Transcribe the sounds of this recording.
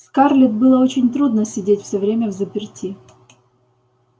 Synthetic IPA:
skarlʲɪt̪̚bɨlˠəot͡ɕɪnʲt̪ɾud̪nəsʲɪdʲetʲfsʲɵvɾʲemʲəvzəpʲɪrtʲi

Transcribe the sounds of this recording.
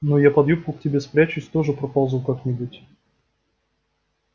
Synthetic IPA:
nujapɐd̪jup̚kʊktʲɪbʲe̞spɾʲæt͡ɕʊsʲt̪o̞ʐɨpɾɐpalˠzʊwkaknʲɪbutʲ

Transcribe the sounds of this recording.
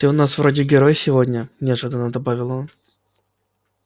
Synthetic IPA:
t̪ɨʊnasvɾodʲɪɡʲɪɾojsʲɪvodʲnʲənʲɪɐʐɨd̪ənəd̪ɐbavʲɪlˠon

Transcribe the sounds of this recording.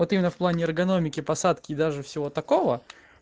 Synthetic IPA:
ot̪imʲɪnəfplˠanʲɪɐrɡɐno̞mʲɪkʲɪpɐsat̪kʲɪːd̪aʐɨfsʲɪvo̞t̪ɐkovə

